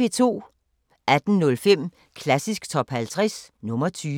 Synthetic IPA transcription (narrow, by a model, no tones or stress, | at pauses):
et͡sʰo̝̰ː | ʔæd̥n̩nɔ̽lfem̰ | kʰlæsisɡ̥t͡sʰɒ̽b̥hælt͡sʰʁɛsnɔ̽mɐt͡sʰyː